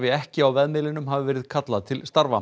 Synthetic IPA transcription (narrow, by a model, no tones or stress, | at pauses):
vɪɛhcɪawvɛðmɪːlɪnʏmɦaːvɪvɛːɾɪðkʰat̪laðt̪ʰɪlst̪aɾva̰